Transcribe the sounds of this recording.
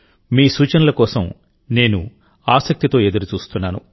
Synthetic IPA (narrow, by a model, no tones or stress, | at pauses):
miːsuːt͡ʃɐnɐlɐkɔːsɐm | ne̞ːnu | aːsɐk̚t̪it̪o̞ːed̪ɐɾut͡ʃuːst̪unːaːnṵ